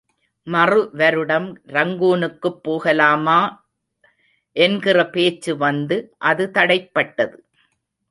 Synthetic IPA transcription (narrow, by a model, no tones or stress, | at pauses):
mɐrɯʋɐɾɯɽɐmɾɐŋɡuːnɯkːɯpːoːɣɐlaːmaː | ʔɛnɡɪrɐpeːt͡ʃːɯʋɐnd̪ɯʔɐðɯt̪ɐɽɐɪpːɐʈːɐðɯ